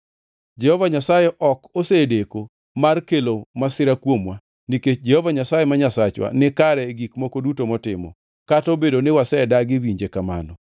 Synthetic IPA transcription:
d͡ʒɛhɔvaɲasajɛʔɔkosedeko | markelomasɪɾakwomwa | niket͡ʃd͡ʒɛhovaɲasajemaɲasat͡ʃwa̰nɪkaɾɛɡikmokodutomɔtɪmɔ̰ | katobedonɪwasɛdaɡɪwiɲd͡ʒekama̰nɔ

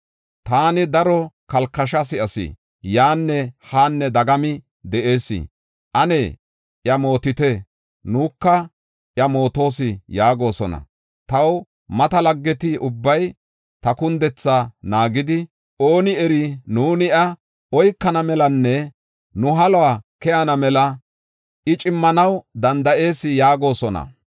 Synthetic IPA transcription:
t̪aːnɪd̪ɐɾɔkɐlkːɐʃɐs̬ɪɐsɪ̰ | jaːnːɛhaːnːɛd̪ɐɡɐmɪ | d̪ɛʔe̞ːsːɪ̰ | ʔɐneː | ʔjɐmo̞ːt̪ɪt̪ɛ | nuːkːɐ | ʔjɐmo̞ːt̪o̞ːsɪjaːɡo̞ːsɔnɐ̰ | t̪ɐw | mɐt̪ɐlɐɡːɛt̪iʊbːɐj | t̪ɐkʊnd̪ɛt͡sːanaːɡɪd̪ɪ | ʔo̞ːnɪɛɾɪnuːnɪʔɐ | ɔjkːɐnɐmɛlɐnːɛ | nʊɦɐlɔwaːkɛjɐnɐmɛlɐ | ʔɪt͡ʃʼɪmːɐnɐwd̪ɐnd̪ɐʔe̞ːsɪjaːɡo̞ːsɔnɐ̰

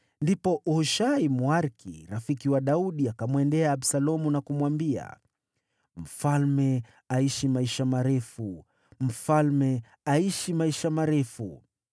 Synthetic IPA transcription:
ndipɔʔhuʃaimwaɾkʰḭɾafikiwaɗauɗiakamwɛndɛaːɓsalɔmunakumwambia̰ | m̩falmɛ | aiʃimaiʃamaɾɛfu | m̩falmɛ | aiʃimaiʃamaɾɛfṵ

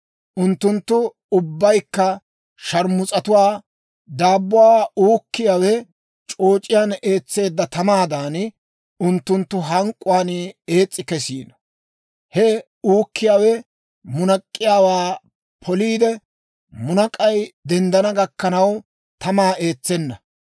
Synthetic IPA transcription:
ʔʊnt̪ːʊnt̪ːʊ | ʊbːɐjkːɐ | ʃɐɾmʊt͡sʼɐt̪ʊwaː | d̪aːbːʊwaːuːkːɪjaːwɛ | t͡ʃʼo̞ːt͡ʃʼɪjaːne̞ːt͡sːe̞ːd̪ːɐt̪ɐmaːd̪aːn | ʊnt̪ːʊnt̪ːʊɦɐŋkʼːʊwaːne̞ːt͡sʼːɪkɛsḭːnɐ̥ | hɛ | uːkːɪjaːwɛ | mʊnɐkʼːɪjaːwaː | pʰɔliːd̪ɛ | mʊnɐkʼɐjd̪ɛnd̪ɐnɐɡɐkːɐnɐw | t̪ɐmaːe̞ːt͡sːɛnːɐ

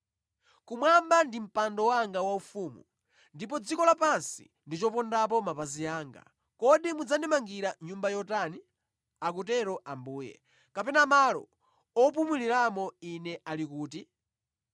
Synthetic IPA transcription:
kumwambandim̩pandɔwaŋɡawaufumṵ | ndip̬ɔd͡zikɔlapansḭ | ndit͡ʃɔpɔndap̬ɔmapaziaːŋɡa̰ | kɔɗimud͡zandimaŋɡiɾaɲumbajɔtani | ak̬utɛɾɔʔambuːjɛ̰ | kapɛnamalɔ̰ | ɔp̬umuliɾamɔinɛalikuːti

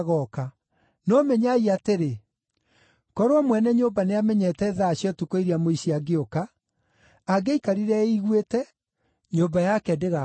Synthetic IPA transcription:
ɣɔka | nɔmɛɲaiateɾe | kɔɾoɔmwɛnɛɲobaneamɛɲɛtɛːðaːɕjɔtukoiɾiamoiɕiaɡeokaː | ɡeikaɾiɾɛiɣwetɛ | ɲobajakɛdeɣa

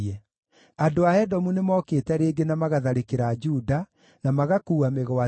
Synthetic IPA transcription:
ɛ | andoahɛdɔmunemɔːkeːtɛɾeːɡenamaɣaðaɾekeɾad͡ʒuda | namaɣakuːameɣɔa

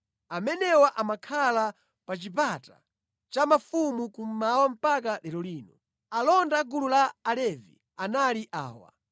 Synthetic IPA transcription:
amɛnɛwaʔamakʰala | pat͡ʃip̬ata̰ | t͡ʃamafumukum̩mawam̩pakalɛlɔliːnɔ | alɔndaɡululaːlɛvḭ | analiʔa̰ːwa̰

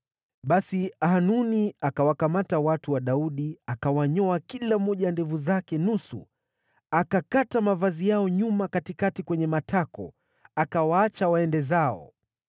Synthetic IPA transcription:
ɓasiahanuniakawakamatawatuwaɗauɗiakawaɲɔakilam̩ːɔʄandɛvuzakɛnusṵ | akakatamavazijaɔɲumakatikatikwɛɲɛmatʰakɔ̰ | akawaat͡ʃawaɛndɛzaɔ̰

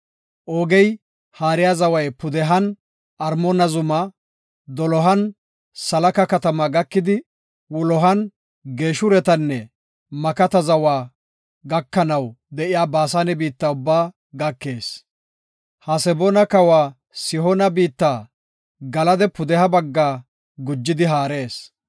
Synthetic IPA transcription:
ʔoːɡɛj | haːɾɪjaːzɐwɐjpʊd̪ɛɦɐn | ɐɾmɔnɐzʊmɐ | d̪ɔlɔɦɐn | sɐlɐkɐkɐt̪ɐmaɡɐkːɪd̪ɪ | wɔlɔɦɐn | ɡe̞ːʃʊɾɛt̪ɐnːɛ | mɐkɐt̪ɐzɐwaː | ɡɐkːɐnɐw | d̪ɛʔɪjaːbaːs̬aːnɛbiːt̪ːaːʊbːaː | ɡɐkːe̞ːs | hɐsɛbɔnɐkɐwaː | sɪɦɔnɐbiːt̪ːaː | ɡɐlɐd̪ɛpʊd̪ɛhɐbɐɡːaː | ɡʊd͡ʒːɪd̪ɪɦaːɾe̞ːs

